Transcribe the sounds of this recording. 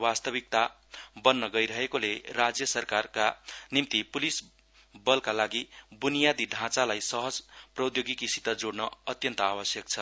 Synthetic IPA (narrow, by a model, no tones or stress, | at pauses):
wast̪ʌβik̚t̪a | bʌnːʌɡʌjɾʌɦekolerad͡zjʌsʌrkarkanimt̪ipulis | bʌlkalaɡibunijad̪iɖʱãt͡salajsʌɦʌd͡zprʌd̪joɡikisit̪ʌd͡zoɽnʌʌt̪jʌnt̪ʌabʌsjʌk̚t͡sʰʌ